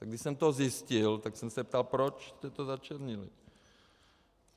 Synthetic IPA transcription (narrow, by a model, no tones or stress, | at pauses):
t̪aɡdɪʃsɛmt̪ozjɪscɪlt̪aksɛmsɛp̚t̪alpɾot͡ʃst̪ɛt̪ozat͡ʃɛɾɲɪlḭ